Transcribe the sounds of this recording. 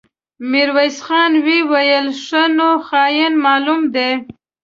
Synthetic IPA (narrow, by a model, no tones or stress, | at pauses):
miɾwajsxɑnwiwajəlʂənoxɑjənmɑlumd̪e